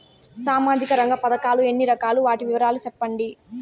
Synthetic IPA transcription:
saːmaːd͡ʒikɐɾɐŋɡɐpɐd̪ɐkaːlue̞nːiɾɐkaːluʋaːʈiʋiʋɐɾaːlut͡ʃɛpːɐɳɖi

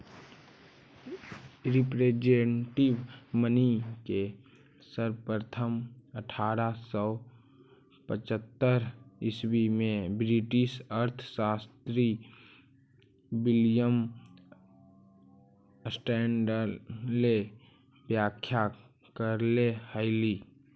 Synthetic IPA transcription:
ɾɪpɾed͡ʒeʈɪbmənike | səɾpɾət̪ʰəməʈʰaːɾasɔː | pət͡ʃət̪ːəɾɪsbimẽbɾiʈɪʃəɾt̪ʰsaːst̪ɾi | wɪljəm | sʈɛːɳɖəɾle | bjaːkʰːja | kəɾlehəɪli

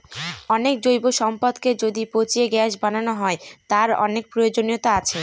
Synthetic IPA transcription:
ɔnekd͡ʑojboʃɔmpad̪ked͡ʑod̪ipot͡ɕieɡɛʃbananoɦɔet̪aɾɔ̰nek̚pɾojod͡ʑonijot̪aat͡ɕʰe

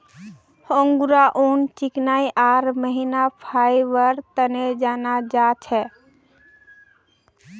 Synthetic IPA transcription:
hə̃ŋɡuɾaʔont͡ʃɪknaiʔaːɾməɦinapʰajʋəɾt̪əned͡ʒanad͡ʒat͡ʃʰɛ

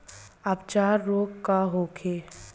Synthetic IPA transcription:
aːp̚t͡ʃaːɾːoːɡkaɦoːkʰeː

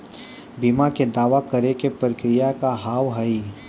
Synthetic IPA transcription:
bimaked̪aːʋakɐɾekepɾəkɾɪjakaɦaːwɦɐi

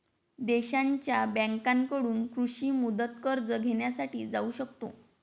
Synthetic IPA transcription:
d̪eɕaɲt͡ɕjabɛ̃ŋkaŋkəɽuːnkɾuɕiːmud̪ət̪kəɾd͡zəɡʱeɳjasaʈiːd͡zauɕəkt̪o

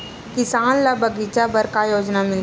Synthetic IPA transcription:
kɪsaːnlabʱəɡit͡ʃabɐɾkajoːd͡ʒnamɪl

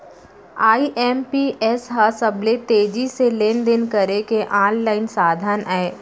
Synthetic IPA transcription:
aːiʔɛːmpiʔɛsɦasəblet̪eːd͡ʒiseleːnd̪ɪnkəɾekeʔãːnlaːɪnsaːd̪ʱənɛː

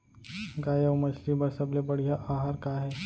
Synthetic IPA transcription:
ɡaːjəʋmɐʃlibɐɾsɐblebɐɽ̤ijaʔaːɦaːɾkaɦɛː

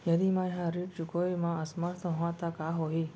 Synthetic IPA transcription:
jɐd̪imãːɦãɾipt͡ʃʊkoːimãəsməɾt̪ʰɦoãt̪akaːɦoːɦiː

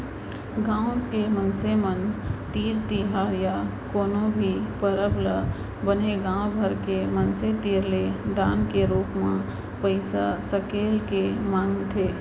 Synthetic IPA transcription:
ɡãːʊ̃kemənsemənt̪iːɾt̪iɦaːɾjakoːnõbʱipəɾəblə | bəneɡãːʊ̃bʱəɾkemənset̪iːɾled̪aːnkeɾoːkmã | pəɪsasəkeːlkemaːŋɡt̪ʰeː

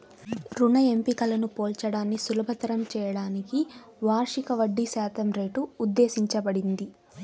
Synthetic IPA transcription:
ɾuɳɐe̞mpikɐlɐnupoːlt͡ʃɐɽaːnːisulɐbʱɐt̪ɐɾɐmt͡ʃɛːjɐɽaːniki | ʋaːɾʂikɐʋɐɖːisaːt̪ʰɐmɾe̞ːʈuːd̪ːe̞ːsiɲt͡ʃɐbɐɽind̪i

